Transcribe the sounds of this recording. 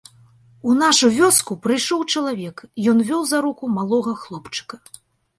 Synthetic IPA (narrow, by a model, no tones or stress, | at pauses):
unaʂuvʲɔskupɾɨjʂɔwt͡ʂɐlˠavʲɛkjɔnvʲɔwzaɾukumalˠɔɣɐxlˠɔpt͡ʂɨ̥kɐ